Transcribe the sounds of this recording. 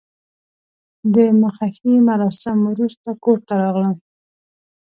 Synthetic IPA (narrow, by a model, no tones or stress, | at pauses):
d̪əməxaximaɾɑsɪmwɾust̪akoɾt̪aɾɑɣlə